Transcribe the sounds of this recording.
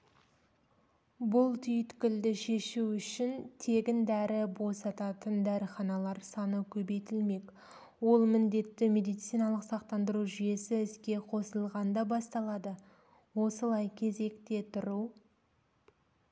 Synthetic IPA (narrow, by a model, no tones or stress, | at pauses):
bʊlˠt̪ʰʏjɪt̪kʲɪld̪ɪʃe̞ʃuʏʃɪnt̪ʰe̞ɡʲɪnd̪æɾɪbo̞sɑt̪ɑt̪ənd̪æɾəχɑnɑlˠɑɾsɑnəkʲʰɵbe̞jt̪ɪlme̞k | wo̞lˠmɪnd̪e̞t̪ːɪme̞d̪ijt̪sijnɑlˠəqsɑqt̪ɑnd̪əɾuʒʏje̞sɪɪskʲe̞qʰosəlˠʁɑnd̪ɑbɑst̪ɑlˠɑd̪ə | wo̞səlˠɑjkʲʰe̞ze̞kt̪e̞t̪ʰʊɾu